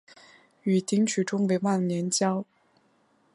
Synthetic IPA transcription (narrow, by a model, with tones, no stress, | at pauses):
y˨˩t̪i˧˥ŋt͡ɕʰy˨˩ʈ͡ʂʊ˥ŋwe˧˥ɪwa˥˩ŋnjɛ˧˥nt͡ɕjɑ˥ʊ